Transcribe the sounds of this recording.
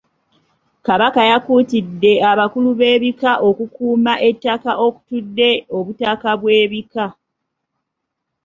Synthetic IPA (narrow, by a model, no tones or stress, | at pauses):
kaβakajakuːtidːe̞aβakuluβe̞ːβikaʔo̞kukuːmaʔe̞tːakaʔo̞ku̥tudːe̞o̞βutakaβwe̞ːβika